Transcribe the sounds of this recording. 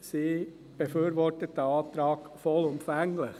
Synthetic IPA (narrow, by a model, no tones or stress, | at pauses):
siː | b̥efyːɾʋɔrtət̚dəɑːt̪ɾɑːk | fɔlʊmpfæŋlɪχ